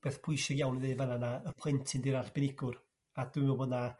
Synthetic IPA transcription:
b̥eːθpʰʊjsɪɡjawniðɨːvananaəpʰlˠɪntʰɪndɪɾarb̥ɪnɪɡʊr | ad̥wmɔbodna

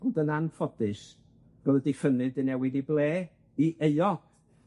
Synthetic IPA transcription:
ɔdənanfɔd̥ɨs | ɡ̥əlˠədɪfənɨdənɛwɪdiblˠeː | iʔeɨɔɡ

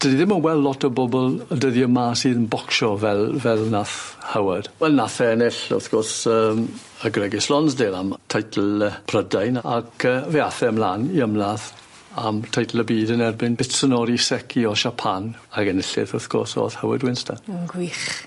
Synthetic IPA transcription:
d̥ədiðɪmənwɛlˠːɔtʰəbɔbɔlˠədəðiəmaːsiːðənbɔkʃɔvɛlˠvɛlˠnaθhawəd̥wɛlˠnaθɛnɪɬʊ̰θɡ̥ɔrsəːm | əɡrɛɡɪslɔnsdeːɾamtʰajtʰl̩ˠəpʰrədajna̰kʰəːveaθɛəmlaːniəmlað | a̰mtʰajtʰlˠəbiːdənɛrbɪnb̥ɪtsənɔɾisɛkʰiɔʃapʰanakənɪɬɪ̰ðʊθɡ̥ɔ̰so̰ːθhawə̰dwɪnstʰaənɡwiːχ

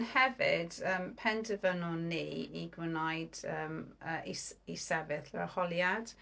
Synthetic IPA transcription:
nhɛvɪdəːmpʰɛndʰəvənɔniːiɡwɪnajdəːməʔisisɛvɪθlɛəhɔlˠjad̥

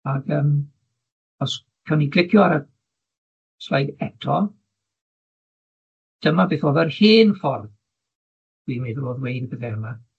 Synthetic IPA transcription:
aɡəːm | ɔs | kʰawniɡlɪɡʰjɔaɾə | slajdɛtʰɔ | d̥əmabeːθoːvɛrhiːnfɔrð | d̥wimeðoːðwejdbəðɛəma

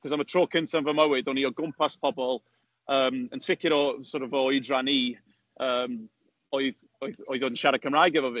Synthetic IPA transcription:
kʰɔsamətʰroːkʰɪnsʰanvəməwɪdɔniɔɡʊmpʰaspʰɔbɔlˠ | əːmənsɪkʰɪɾɔsɔɾɔvɔɨdraniː | əːm | ɔɨð | oɨðɔɨðoːdənʃaɾəkʰəmrajɡɛvɔviː

